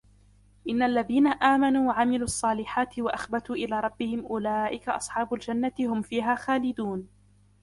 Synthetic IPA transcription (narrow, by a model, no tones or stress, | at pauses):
ʔɪnːaalːaðiːnaʔaːmanuːwaʕamɪluːʔɑsˤːɑːlɪħaːt̪ɪwaʔaxbat̪uːʔɪlaːɾˤɑbːɪhɪmʔʊlaːʔɪkaʔɑsˤħɑːbʊld͡ʒanːat̪ɪhʊmfiːɦaːxaːlɪd̪uːn